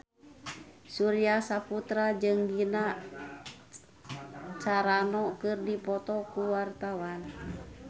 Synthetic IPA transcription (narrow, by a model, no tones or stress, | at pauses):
suɾiasaput̪ɾad͡ʒɨŋɡina | t͡ʃaɾanɔkɨrdipɔt̪ɔkuwart̪awan